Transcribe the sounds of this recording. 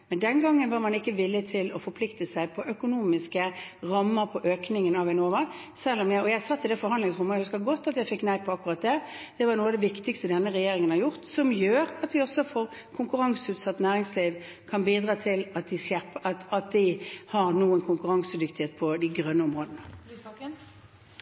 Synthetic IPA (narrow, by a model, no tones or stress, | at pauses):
mɛnd̪ɛnɡɑŋːənʋɑɾmɑnɪkːəʋɪlːɪt̪ʰɪlɔfɔɾpʰlɪkt̪əsæɪpʰɔʔœkʊnuːmɪskəʁɑmːəɾpʰɔʔøːknɪŋənɑʋɛnoːʋɑ | sɛlːɔmjæɔjæɪsɑt̪ːɪd̪ɛfɔɾhɑnd̪lɪŋsʁʊmːəɛɪhʉskəɡɔt̪ːɑt̪jæɪfɛkːnæɪpʰɔɑkːʊʁɑt̪̚d̪ɛ | d̪̥ɛʋɑnuːəɑd̪ɛʋɪkt̪ɪkst̪əd̪ɛnːəʁɛjeːɾɪŋənhɑɾjʊʁt̪sɔmjøːɾɑt̪ʋɪɔsːɔfoːʁ | kʰʊŋkʉʁɑŋsʉːt̪sɑt̪ːnæːʁɪŋsliːʋ | kʰɑnbiːd̪ʁɑːt̪ʰɪlɑt̪̚d̪ɪsjæpɑt̪ɑt̪̚d̪ɪhɑɾnuːənkʰʊŋkʉɾɑŋsəd̪ʏkt̪ɪheːt̪̚pʰɔd̪ɪɡɾœnːəɔmʁoːd̪ənə